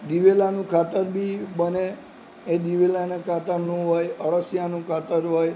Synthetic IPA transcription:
d̪iʋelanũkʰat̪əɾbʱibəne | ed̪iʋelanekʰat̪əɾnũɦojəɭəsjanũkʰat̪əɾɦoj

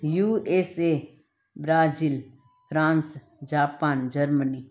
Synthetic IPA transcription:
juːeseː | bɾaːziːl | pʰɾãːns | d͡ʒaːpaːnd͡ʒəɾməniː

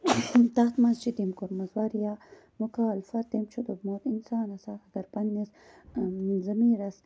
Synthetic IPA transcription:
t̪ɐxt̪mɐnzt͡ʃʰid̪imkoɾmɐzwɐɾja | mʊkaːlfɐt̪̚d̪imt͡ʃʰud̪ubmoːt̪insaːnɐsaɐɡɐɾpɐnːis | zɐmiːɾɐs

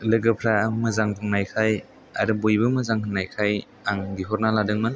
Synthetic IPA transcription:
lɯɡɯpʰɾamɯzaŋpʰɯŋnajkʰaj | aɾɯbojbɯmɯzaŋɦɯŋnajkʰaj | aŋɡiɦɔɾnaladɯŋmɯn

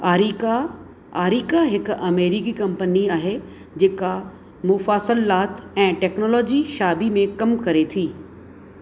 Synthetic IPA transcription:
aːɾika | aːɾiːkaɦɪkɐmeːɾikikɐ̃mpəniaːɦe | d͡ʑeːka | mʊfaːsəlaːt̪ɛ̃ːʈɛːknoːlɔːd͡ʑiʃaːbimẽkɐmkɐɾet̪ʰiː

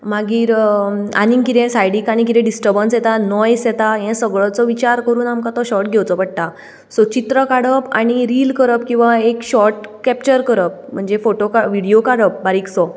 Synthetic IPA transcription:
maɡiːɾa̰nĩŋkit̪ɛ̃sajɽikaɽ̃ik̬it̪ɛ̃ɖisʈəɾbənsjɛt̪anɔjsjɛt̪aɦɛ̃səɡɭɔt͡sɔʋit͡ɕaɾkəɾuːnamkãt̪ɔɕɔɾʈɡʱɛwt͡sɔpəɽ̚ʈ̪a | sɔt͡ɕit̪ɾəkaɽəpa̰ɽ̃iɾiːlkəɾəp̚kĩw̃ʋaekɕɔɾʈkɛpt͡ɕəɾkəɾəp̚m̤əɳd͡zefoʈokʋiɽijokaɽəp̚baɾiːksɔ

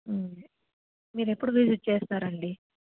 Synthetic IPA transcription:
miːɾepːuɽuʋisiʈ̚t͡ʃe̞ːst̪aːɾɐɳɖi

